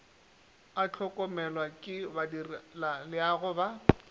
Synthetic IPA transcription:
at͡ɬʰɔkʼɔmɛlwakʼɪbadirlalɪaɣʊba

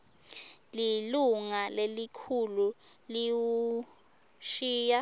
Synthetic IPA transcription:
liluŋalelikʰulu | liwu | ʃiːja

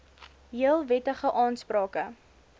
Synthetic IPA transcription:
ɦiəlˠvɛtəχəʔɑːnsprɾɑːkə

